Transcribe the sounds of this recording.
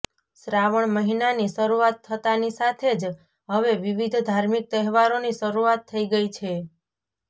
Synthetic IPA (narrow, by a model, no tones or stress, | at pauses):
sɾaʋəɳməɦinaniʃəɾuat̪ʰːət̪anisat̪ʰed͡ʒ | ɦəʋeʋiʋid̪ʱd̪ʱaɾmik̚t̪əɦɛʋaɾoniʃəɾuat̪ʰːəiɡəit͡ʃʰe